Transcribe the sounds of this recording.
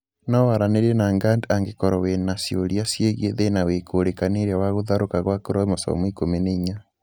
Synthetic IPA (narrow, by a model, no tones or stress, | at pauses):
nɔwaɾaneɾenaːŋɡandaŋɡekɔɾɔwenasjoɾiasjeɣjeðenawekʰoːɾekaneɾjawaɣoðaɾokaɣwakoɾɔmosɔ̰mwikomeneiɲa